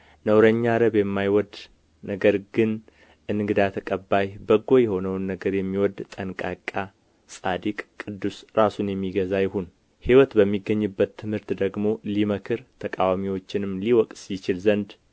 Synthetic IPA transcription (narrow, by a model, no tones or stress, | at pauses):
nəwɾəɲːaɾəβjɛmːajwɔd̪ | nəɡəɾɡɨn | ʔɨnɡɨd̪at̪ʰəkʼəbːajbəɡːo̞jɛho̞nəwnːəɡəɾjɛmːiwɔd̪t̪ʼənkʼakʼːa | sʼad̪ikʼkʼːɨd̪ːusɾasunjɛmːiɡəzajɪhun | hiwɔt̪bəmːiɡːəɲːɨbːət̪ʰːɨmhɨɾt̪d̪əɡmo̞liməkʰɨɾt̪ʰəkʼawamiwo̞t͡ʃːɪnɨmliwɔkʼsit͡ʃɪlzənd̪